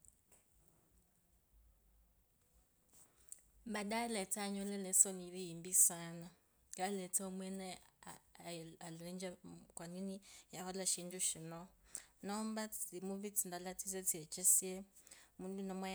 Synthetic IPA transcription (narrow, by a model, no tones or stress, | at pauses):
baɗalɛtaɲɔlɛlɛsɔniɾiːmbisana | kalɛtɛɔmwɛnɛ | alɛnd͡ʒakwaninijahalaʃinduʃinɔnɔːmbaimuβit͡sindalatizɛt͡siɛt͡ʃɛsiɛ | mundunɔmwa